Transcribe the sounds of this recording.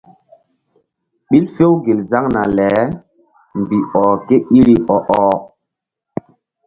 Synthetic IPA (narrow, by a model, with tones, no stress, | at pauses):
ɓi˦lfe˦wɡe˨lza˦ŋna˨lɛ˨˦ | mbi˨ʔɔ˨ke˦i˦ɾi˨ʔɔ˨ʔɔː˨